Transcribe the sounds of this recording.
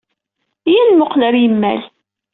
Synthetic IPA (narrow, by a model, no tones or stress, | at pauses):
jænmʊqləɾjəmːæ̰l